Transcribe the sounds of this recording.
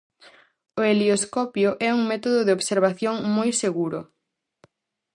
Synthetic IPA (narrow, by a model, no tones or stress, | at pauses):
ʊelioskɔpjʊʔɛuŋmɛt̪oðoðɪoβseɾβ̞aθjoŋmojseɣuɾʊ